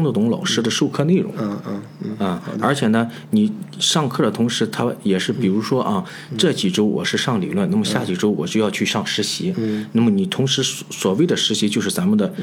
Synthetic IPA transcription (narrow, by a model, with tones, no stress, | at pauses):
ŋd̪ə˧˩t̪ʊ˧˥ŋlɑ̰˨˩ʊʂɻ̩˥˧d̪ə˨ʂu˥˧kʰɤ˥˧ne˥˩ɻʊ̰˧˥ŋ˧ | ə˥˩ə˞˧˥t͡ɕʰjɛ˨˩nə˦ | ni˨˩ʂɑ˥˧ŋkʰɤ˥˩d̪ə˩t̪ʰʊ˧˥ŋʂɻ̩˧˥t̪ʰa˥jɛ˨˩ʂɻ̩˥˩pi˨˩ɻu˧˥ʂwɔ˥ʔɐ˧ | ʈ͡ʂɤ˥˩t͡ɕi˨˩ʈ͡ʂo˥ʊwʔɔ̰˨˩ʂɻ̩˥˧ʂɑ˥˩ŋlḭ˨˩lwə˥˩na˥˩mə˩ɕja˥˩t͡ɕi˨˩ʈ͡ʂo˥ʊwɔ˨˩t͡ɕjo˥˧jɑ˥˧t͡ɕʰy˥˧ʂɑ˥˩ŋʂɻ̩˧˥ɕi˧˥na˥˩mə˩ni˨˩t̪ʰʊ˧˥ŋʂɻ̩˧˥ | swɔ˨˩we˥˩ɪd̪ə˩ʂɻ̩˧˥ɕi˧˥t͡ɕjo˥˧ʊʂɻ̩˥˩t͡sa˧˥mə˨nd̪ə˩